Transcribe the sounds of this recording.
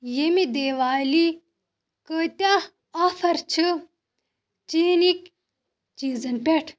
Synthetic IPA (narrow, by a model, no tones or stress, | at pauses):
jemid̪eːʋaːli | kət̪a | ɐfɐɾt͡ʃʰɨ | t͡ʃiːnik | t͡ʃiːzɐnpʲeʈʰ